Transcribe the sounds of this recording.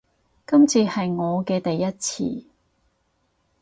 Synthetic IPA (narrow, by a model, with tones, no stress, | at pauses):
kɐ˥mt͡sʰiː˨˧hɐ˨jŋɔː˨˧kɛː˧t̪ɐ˨jːɐ˥t̚t͡sʰḭː˧